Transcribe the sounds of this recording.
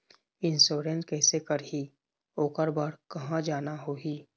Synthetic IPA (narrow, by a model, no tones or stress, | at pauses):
ɪnsoːɾẽnʈkɛːsekəɾɦi | oːkəɾbaːɽkɐɦãd͡ʒaːnaɦoːɦi